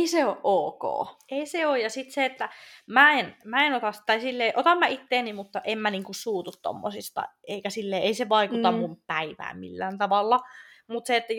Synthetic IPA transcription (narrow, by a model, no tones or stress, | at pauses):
eiseoʔʔoːko̰ːʔeiseojjɑsit̪seet̪ːæmæenmæenot̪ɑst̪ɑisilːeːʔot̪ɑmːæit̪ːeːnimut̪ːɑʔemmæniːŋkussuːt̪ut̪t̪o̰mːo̰sist̪ɑ̰eikæsilːeːeiseʋɑikut̪ɑmmumpæiʋæ̰ːmmḭlːæ̰ːnt̪ɑʋɑlːɑ | mut̪seet̪ːæj